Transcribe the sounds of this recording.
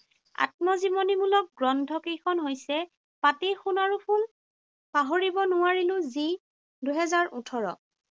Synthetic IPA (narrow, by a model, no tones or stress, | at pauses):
a̰t̚mɔzimonimulɔk̚ɡɹɔndʱɔkejkʰɔnɦojsɛ | patejxunaɹupʰul | paɦoɹibɔnʊwaɹilʊ̃zi | duɦɛzaɹutʰɔɹɔ̰